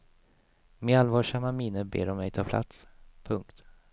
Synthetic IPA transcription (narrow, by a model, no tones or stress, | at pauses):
mealvɑːʂamamɪnːəbḛːɾɔmːɛjt̪ʰɑːpʰla̰t̪spʰɵŋkt̪